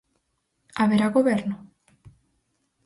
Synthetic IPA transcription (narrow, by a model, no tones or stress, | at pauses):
aβeɾaɣoβeɾno